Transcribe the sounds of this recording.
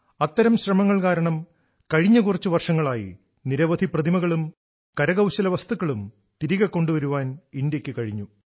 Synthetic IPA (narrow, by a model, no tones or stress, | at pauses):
ɐt̪ːɐɾɐmɕrɐmɐŋːɐɭkaːɾɐɳɐm | kɐɻiɲːɐkurɐt͡ɕːuʋɐrʂɐŋːɐɭaːjḭ | niɾɐʋɐd̪ʱiprɐd̪ʱimɐɣɐɭum | kɐɾɐɣɐwɕɐlɐʋɐst̪ukːɐɭum | t̪iɾiɣɐkːo̞ɳɖuʋɐɾuʋaːnind̪jɐkʲːɨkɐɻiɲːu